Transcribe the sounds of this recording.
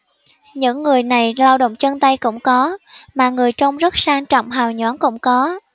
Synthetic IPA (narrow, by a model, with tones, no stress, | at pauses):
ɲɨ̰˧˥ŋːɨ˨˩əjna˨˩jlaː˧wɗo̰˧˨wŋ͡mt͡ɕə˧nt̪ə˧jkʊ̰˧˥ŋ͡mkɔ˨˦maː˨˩ŋɨ˨˩əjt͡ɕə˧wŋ͡mzə˦˥t̚saː˧ŋt͡ɕɔ̰˧˨wŋ͡mɦaː˨˩wɲwɔ˨˦nkʊ̰˧˥ŋ͡mkɔ˨˦